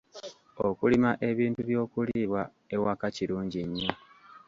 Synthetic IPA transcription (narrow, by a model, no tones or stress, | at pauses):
okulimaʔe̞βiːntuβjo̞ːkuliβwa | e̞wakaciɾuːɲɟiɲːo